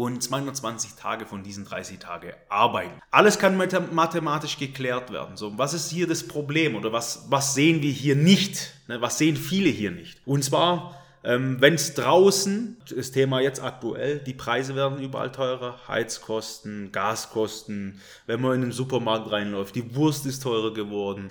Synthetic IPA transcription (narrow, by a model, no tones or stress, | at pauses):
ʔʊnt͡sv̥aɪhʊndɐtt͡sv̥ant͡sɪçtʰa̰ːɡəfɔndiːzn̩dʁa̰ɪsɪçtʰa̰ːɡəʔaɐbaɪtn̩ʔaləskʰanmatʰemaːtɪʃɡ̥əkʰl̥ɛːɐtv̥ɛ̰ɐdn̩zoːvasɪsthiːɐdaspʁ̥obleːmʔoːdɐvasvasz̥eːənviːɐɦiːɐnɪçtnəvasz̥eːənfiːləɦiːɐnɪçtʔʊntt͡sv̥aːɐ | ʔɛːmvɛnsd̥ʁaʊsn̩d̥astʰeːmajɛt͡sta̰k̚tuʔɛ̰ld̥iːpʁ̥aɪzəvɛːɐdn̩yːbɐ̰ʔa̰ltʰɔʏʁɐha̰ɪt͡skʰɔstn̩ɡ̥aːskʰɔstn̩ | vɛnmanɪndemzuːpɐmaɐk̚tʁaɪnlɔʏft̚d̥iːvʊɐstɪstʰɔʏʁɐɡəvɔɐdn̩